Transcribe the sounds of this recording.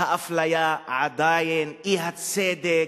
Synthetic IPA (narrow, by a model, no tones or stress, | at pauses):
aʔaflajaʔʕad̪aːjɪnʔiːɦat̪seːd̪e